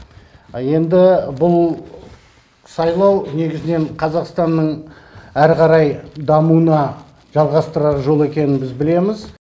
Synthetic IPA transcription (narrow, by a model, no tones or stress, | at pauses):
je̞nd̪ɪbʊlˠ | sɑjlˠɑwne̞ɡʲɪzɪne̞ɴqʰɑzɑqst̪ɑnːəɴ | æɾqɑɾɑjd̪ɑmuənɑ | ʒ̥ɑlˠʁɑst̪əɾɑɾʒo̞lˠe̞kʲe̞nɪnbɪzbɪle̞mɪz